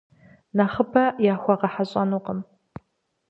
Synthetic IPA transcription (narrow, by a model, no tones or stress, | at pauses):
naχəbɐjaːxʷɐqɐħaɕʼɐnuːqəm